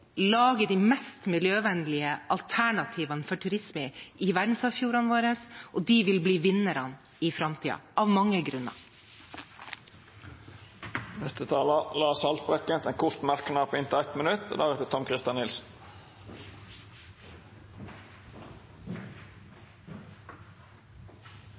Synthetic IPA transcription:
lɑːɡəd̪iːmɛst̪mɪljøːʋɛnlɪəʔɑlt̪ʰæɳɑt̪ʰiːʋɑnfɔʈʰʉɾɪsməɪʋæɖn̩sɑːʋfjuːɾɑnʋoːɾəsʔod̪iːʋɪlbliːʋɪnəɾɑn | ifɾɑmt̪ʰiːɑ̰ɑːʋmɑŋːəɡɾʉnɑ̰ | nɛst̪ət̪ʰɑːlɑlɑːsɑlt̪̚bɾɛkənt̪ɛnkʰʊʂt̪mæɾknɑːpːɪnt̪ɪæɪt̪mənʉt̪ːd̪ɑːɡɛt̪ɪt̪ʰɔmkʰɾɪst̪jɑnɪlsn̩

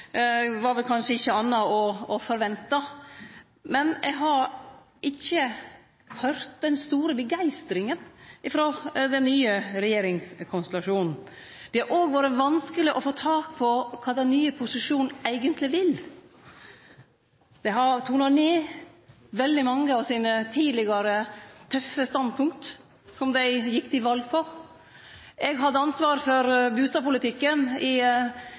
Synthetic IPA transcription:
ʋɑɾʋɛlkʰɑnʂəɪçːəɑnːɑɔɔfɔɾʋɛnt̪ɑ | mɛnɛɡɦɑɾ | ʔɪçːə | hœɾt̪̚d̪ɛnst̪uːɾəbəɡæɪst̪ɾɪŋənɪfɾoːd̪ɛnːyːəɾɛjeːɾɪŋskʰɔnst̪ɛlɑʂuːnn̩ | d̪̥ɛæɾʔoːɡʋoːɾəʋɑnskəlɪʔɔfoːt̪ʰɑːkpʰɔkʰɑːd̪ɛnnyːəpʰʊsɪʂuːnnæɪɡənt̪ʰlɪʋɪl | d̪̥ɛɦɑɾt̪ʰuːʉnɾɑniː | ʋɛld̪ɪmɑŋːəɑʋsiːnət̪ʰiːlɪɡɑɾət̪ʰœfəst̪ɑnd̪̚pʰʊŋkt̪ | sɔmd̪æɪjɪkːt̪ɪʋɑlɡ̚pʰɔ | ʔɛɡɦɑd̪ːəɑnsʋɑːɾfɔɾbʉːst̪ɑːʋpʊlɪt̪ɪkːənɪ

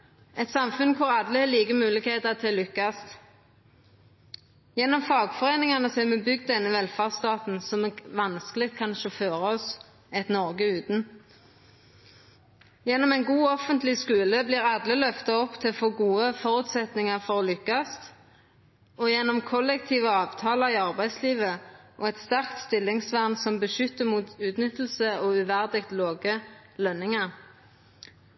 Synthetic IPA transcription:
ɛt̪sɑmfʉnkʰʊɾɑd̪ləhɛliːɡəmʉːlɪɡkheːt̪ət̪ʰɪllʏkːɑst̪ | jɛnːɔmfɑːɡfɔʁeːnɪŋɑnəsɔɛmɛbʏɡd̪ɛnːəʋɛlfɑʁst̪ɑːt̪n̩sɔmɛʋɑnskəlɪt̪̚kʰɑnʃɔføːʁəɔs | ɛt̪nɔʁɡəʉːt̪n̩ | jɛnːɔmɛɪnɡuːɔfənt̪lɪskʉːləbliːʁɑd̪ləlœft̪ɑɔpːt̪ʰɪfoːɡuːəfɔʁʉːt̪sɛt̪nɪŋɑʁfɔʁolʏkːɑst̪ | ɔjɛnːɔmkʰɔlɛk̚t̪ʰiːʋəɑːʋt̪ʰɑːlɑiɑʁbæɪd̪sliːʋəʔoːɛt̪st̪æʁkt̪st̪ɪlːɪŋsʋæʁnsɔmbəʃʏt̪ːəmuːt̪ʉːt̪nʏt̪ːl̩səoːʉʋæʁd̪ɪɡ̚t̪loːɡəlœnːɪŋɑʁ

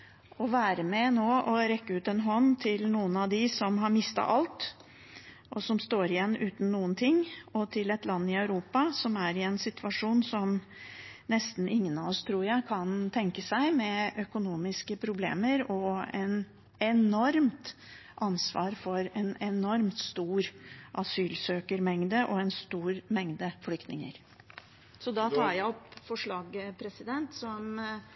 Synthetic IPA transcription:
ɔʋæːɾəmɛnoːʔɔɾɛkːəʉːt̪ɛnɦɔnt̪ʰɪlnuːənɑʋd̪ɪsɔmɦɑɾmɪst̪ɑ̰ʔɑlt̪ | ʔɔsɔmst̪oːɾɪjɛnːʉːt̪n̩nːuːənt̪ʰɪŋːɔt̪ʰɪlɛt̪lɑnːɪœʉɾuːpɑsɔmæɾɪɛnsɪt̪ʰʉʋɑʂuːnsɔm | nɛst̪n̩ɪŋːənɑɔst̪ʰɾuːɾjæɪkʰɑnt̪ʰɛŋkəsæɪmɛʔœkʊnuːmɪskəpʰɾʊblḛːməɾɔɛn | ɛnɔɾmt̪ | ʔɑnsʋɑ̰ːɾfɔɾɛnɛnɔɾmt̪st̪uːɾʔɑsyːlsøːkəɾmɛŋd̪əʔɔɛnst̪uːɾmɛŋd̪əflʏk̚t̪nɪŋə̰ɾ | sɔd̪ɑt̪ʰɑːɾjæɪɔpfɔʂɭɑːɡpʰɾɛsɪd̪ɛnt̪sɔm

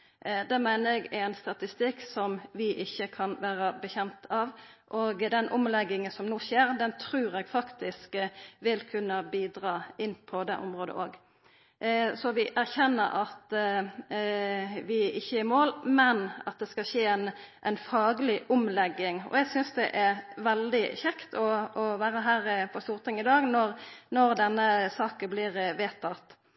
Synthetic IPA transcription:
d̪ɛːmæɪnəɾɛɡænst̪ɑt̪ɪst̪ɪksɔmʋɪʔɪçːəkʰɑnʋæːɾəbəçɛmt̪ʰɑʋʔoːɡd̪ɛnʔʊmlɛɡːɪŋənsɔmnuːçeːɾd̪ɛnt̪ʰɾʉːɾɛɡfɑkt̪ɪskʋɪlkʰʉnːəbiːd̪ɾɑːɪnːpʰɔd̪ɛ̰ʔʊ̰mɾoːd̪ə̰ʔoːɡ | sɔʋɪʔæʁçɛnːə̰ɾʔɑt̪ | ʋɪɪçːəæmoːlmɛnɑ̰t̪̚d̪ɛskɑʃeːɛnʔɛ̰ɪnfɑːɡəlɪʔʊmlɛɡːɪŋɔ̰ɛɡsʏnsd̪ɛʔæɾʋɛld̪ɪçɛkt̪ʰɔɔʋæːɾəɦæːɾpʰɔst̪uːʁt̪ʰɪŋɪd̪ɑːɡnɔɾnɔɾd̪ɛnːəsɑːkəblɪːʁʋeːt̪ʰːɑt̪

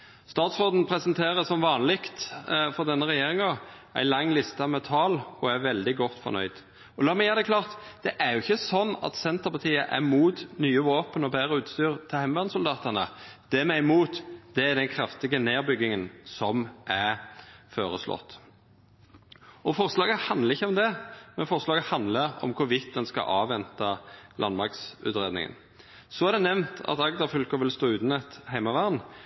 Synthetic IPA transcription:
st̪ɑːt̪sʁoːd̪n̩pʰɾɛsənt̪ʰeːʁəsɔmʋɑːnlɪkt̪fɔʁd̪ɛnːəɾʁɛjeːʁɪŋɑ | æ̰ɪlɑŋːlɪst̪ɑmɛt̪ʰɑːlɔæʋɛld̪ɪɡɔt̪ːfɔ̰ʁnœ̰ʏd̪̥ | ɔlɑːmɛjæːʁd̪ɛkʰlɑːʁt̪d̪̥ɛʔæɾjʊɪçːəsɔnːɑ̰t̪sɛnt̪əʁpɑt̪ʰiːəʔæ̰muːt̪nyːəʋoːpənɔbæːɾəʉːt̪st̪yːʁt̪ʰɪlæɪmʋɑʁnsʊld̪ɑːt̪ənə̰d̪̥ɛmɛɪmuːt̪d̪̥ɛæd̪ɛnkʰɾɑft̪ɪɡəneːʁbʏɡːɪŋənsɔmʔæ | føːʁəslɔ̰t̪ː | ɔfɔʁslɑːɡəhɑnd̪əʁɪçːəɔmd̪ɛmɛnfɔʁslɑːɡəhɑnd̪ləɾɔ̰mkʰʊʋɪt̪̚d̪ɛnskɑ̰ʔɑːʋɛnt̪ɑlʔɑnmɑksʉ̰t̪ʁeːd̪ɪ̰ŋə̰n | sɔæʁd̪ɛnɛʋnt̪ʰɑ̰t̪ɑɡd̪ɑfʏlkəʋɪlst̪oːʉːt̪nɛt̪hæɪmɑʋæːʁn

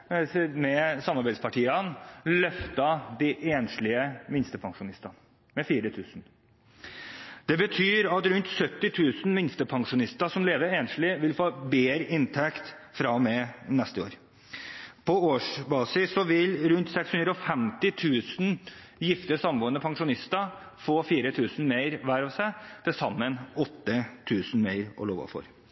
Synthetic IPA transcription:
mɛsɑmɑɾbæɪd̪spʰɑʈʰiːənlœft̪ɑd̪iʔeːnʂlɪəmɪnst̪əpʰɑŋʂʊnɪst̪ɑn | mɛfiːɾət̪ʰʉːsn̩ | d̪̥ɛbət̪ʰyːɾɑt̪ɾʉnt̪sœt̪ːɪt̪ʰʉːsn̩mɪnst̪əpʰɑŋʂʊnɪst̪əʂɔmleːʋəɾeːnʂlɪʋɪlfoːbeːɾəʔɪnt̪ʰɛkt̪fɾɑmɛnɛst̪əo̰ːɾ | pʰɔoːʂbɑːsɪsːɔʋɪlɾʉnt̪sɛkshʉnd̪ɾəɔfɛmt̪ɪt̪ʰʉːsn̩ | jɪft̪əsɑmʋoːnəpʰɑŋʂʊnɪst̪ə | foːfiːɾət̪ʰʉːsn̩meɪɾʋæɾɑːʋsæɪd̪̥ʰɛsɑmːənɔt̪ːət̪ʰʉːsn̩meɪɾɔ̰loːʋɑ̰fɔ̰ɾ

